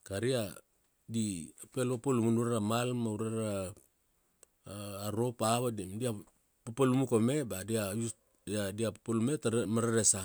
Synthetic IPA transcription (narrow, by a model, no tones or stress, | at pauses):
kaɾia | diapelapalumunuɾaɾamalmauɾaɾa | ɾopaβadimdia | papalumukomebadiaju | adiapapalumetamaɾaɾesa